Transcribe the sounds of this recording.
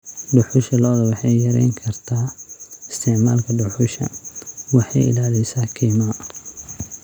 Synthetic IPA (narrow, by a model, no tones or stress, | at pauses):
ɖʊħʊʃɐlɔːðɐwɑħɑjjɐɾɛ̰jŋkʰɐrt̪ʰaːɪst̪ʰɛʕma̰ːlkʰɐɖʊħʊʃɐ̰wɑħɑjɪ̰laːlɛjsaːkʰiːmɐ